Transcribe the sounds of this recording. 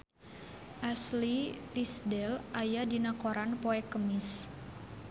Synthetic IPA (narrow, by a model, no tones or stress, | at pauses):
ʔaslit̪isdɛlʔajadinakoɾanpoɛkəmɪs